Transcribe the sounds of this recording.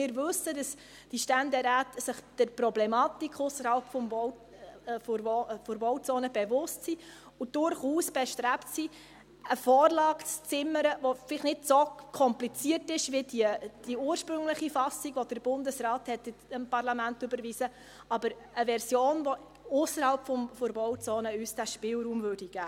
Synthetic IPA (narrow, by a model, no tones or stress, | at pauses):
mɪːɾvɵsəd̥ɑs | d̥iʃtændɛɾæːtəsɪχd̥əɾprɔblɛmɑːtikʰʊsːəɾhɑlpfɔmv | ffʊɾvɔwt͡soːnəbɛvʊstsi | ʊd̥ʊrχuːsb̥ɛʃtræptsi | əfɔːrlɑːkt͡st͡sɪməɾəvofɪlɪχnɪdsokʰɔmplit͡siətɪʃʋidiəd̥iuːəɾʃpɾʏŋləχifɑsiɡʋɔd̥əɾb̥ʊndəsrɑːthɛtɪɪmpɑrlɑmæntʏbəɾviːsə | ɑbəɾ | əvɛɾsjoːnvɔ | ʊsːəɾhɑlpfɔmfʊɾvɔwt͡soːnəyːsd̥æʃpɪːlɾuːmvøɾd̥iɡ̥æː